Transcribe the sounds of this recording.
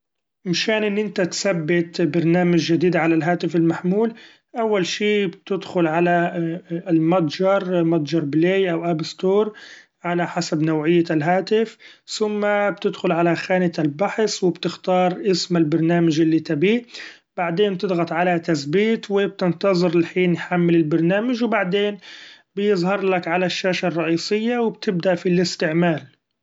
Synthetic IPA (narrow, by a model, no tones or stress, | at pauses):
mɪʃaːnʔɪnːʔɪnt̪at̪sabːɪt̪bɑɾˤnaːmad͡ʒːad̪iːd̪ʕalalɦaːt̪ɪfɪlmaħmuːl | ʔawːalʃiːbt̪ɪd̪xʊlʕala | lmat̪ˤd͡ʒɑɾˤmad̪ˤd͡ʒɑɾˤbleːjʔawʔabɪst̪oːɾˤ | ʕalaħasabnawʕɪjːalɦaːt̪ɪfθʊmːab̚t̪ɪd̪xʊlʕalaxaːnɪt̪albaħswɪbt̪ɪxt̪ɑːɾˤʔɪsmɪlbɑɾˤnaːmaʒɪlːit̪abiː | b̥aʕd̪eːnmb̚t̪ɪd̪ɣɑt̪ˤʕalat̪asbiːt̪wɪb̚t̪ɪnt̪ɑzˤɨɾɪlħiːnjħamːɪlɪlbɑɾˤnaːmaʒwbaʕd̪eːn | bjɪzˤhɑɾˤlakʕalaʃːaːʃarˤːɑʔiːsˤɪjːawɪbt̪ɪb̚d̪aʔfilɪst̪ɪʕmaːl